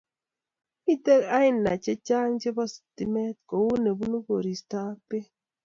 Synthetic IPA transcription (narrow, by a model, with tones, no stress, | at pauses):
i˦te˦ka˦i˦nːa˨t͡ʃe˦t͡ʃa˦ŋt͡ʃe˦bɔ˦si̥˨ti˨me˦t̚ko˨wu˦ne˨bu˦nu˦ɡo˨ɾi˨sta˦pe˦